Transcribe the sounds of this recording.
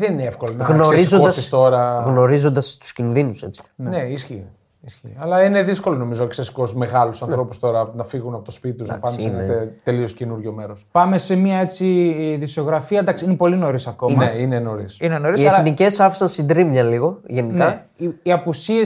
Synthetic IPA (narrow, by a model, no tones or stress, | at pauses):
ðenineefkolonɣno̞ɾɾizood̪ɐsist̪o̞ɾɐɣno̞ɾizo̞nd̪ɐst̪u̥scinðinuse̞̰t͡si̥neisçi | isçiɐlɐine̞ðisko̞lono̞mizo̞eksesi̥ko̞sme̞ɣɐlusɐnθɾo̞pu̥st̪o̞ɾɐnɐfiɣunɐpo̞t̪ospit̪it̪ozna̰ɐpɐnd̪sneet̪e̞lioscenuɾʝome̞ɾospɐme̞semiɐe̞t͡siðiso̞ɣɾɐfiɐnd̪ɐksiinepo̞lino̞ɾisɐko̞mɐneineno̞ɾisineno̞ɾiiseɐlnice̞sɐfi̥sɐnsind̪ɾimɲɐliɣo̞ʝe̞ninkɐ | iiɐpusie